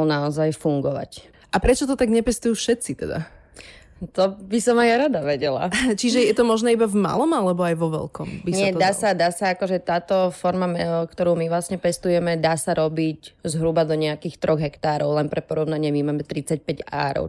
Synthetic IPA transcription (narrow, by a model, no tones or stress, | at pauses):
lnaɔzajfuŋɡɔʋa̰c | ʔapɾɛt͡ʃɔt̪ɔt̪aɡɲɛpɛst̪ujuːfʃɛt̪t͡sit̪ɛ̰d̪a̰ | t̪ɔbisɔmajaɾad̪aʋɛɟɛla̰t͡ʃiʒɛjɛt̪ɔmɔʒnɛːibavma̰lɔmalɛbɔajʋɔʋɛ̰lkɔmbiɲsɪaɛd̪aːsad̪aːsaakɔʒɛt̪aːt̪ɔfɔɾmamɛkt̪ɔɾuːmiʋlasɲɛpɛst̪ujɛmɛd̪aːsaɾɔbiczɦɾubad̪ɔɲɛakiːxt̪ɾɔɣɦɛkt̪aːɾɔʊlɛnpɾɛpɔɾɔʊnaɲɪɛmimaːmɛt̪ɾit͡sac̚pɛɟa̰ːɾɔ̰ʊ